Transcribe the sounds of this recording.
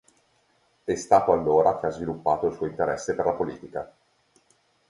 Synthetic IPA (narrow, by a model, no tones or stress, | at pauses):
ɛst̪aːt̪oalːoːɾak̟eazvilupːaːt̪oilsuɔoint̪eɾɛsːeperlapolḭːt̪ika